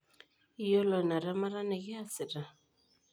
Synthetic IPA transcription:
i˦jɔ˦lɔ˨na˨ɾa˦ma˦ɾa˦nɛ˨ɣɛ˦a˦sɪ˨ɾa˨

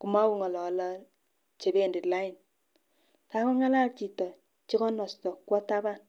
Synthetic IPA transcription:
ku˨ma˦wu˨ŋɔ˨lɔ˨˦lɔ˦ | t͡ʃe˨be˦nde˨tla˦i˨n | ka˦kɔ˦ŋa˦la˦lt͡ʃi˨tɔ˨ | t͡ʃi˦kɔ˦nɔ˨stɔ˨kwɔ˦ta˦ba˦˨n

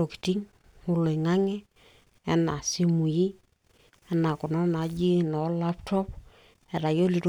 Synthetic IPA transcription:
o˨ki̥˨ti˦ŋ | ʊ˦lo˨i˨ŋa˦ŋɛ˦ | ɛ˦na˨si˦mu˨ji˦ | ɛ˦na˨kɔ˨nɔ˦na˨˦d͡ʒi˦nɔ˨˦la˦ptɔ˦p | ɛ˨ɾa˨jo˦li˨ɾ

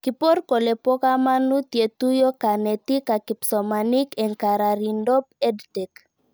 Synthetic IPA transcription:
ki˨po˦ɾko˨le˨po˦ka˦ma˦nu˦t̪je˨t̪u˦jo˦ka˨ne˨t̪i˦ka˨ki˨psɔ˨ma˨ni˦ke˨ŋka˨ɾa˨ɾindɔ˦pe˦dtɛ˨k

